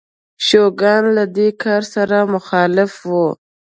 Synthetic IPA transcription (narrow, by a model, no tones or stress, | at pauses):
ʃoɡɑnlad̪ekʰɑɾsaɾamʊxɑlɪfwu